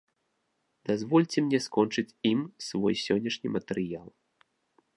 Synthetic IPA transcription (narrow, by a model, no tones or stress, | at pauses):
d̪̥azvɔlʲt͡sʲɛmnʲɛskɔnt͡ʂɨt͡sʲimsvɔ̰jsʲɔnʲːɐʂnʲimɐt̪ɛɾɨjalˠ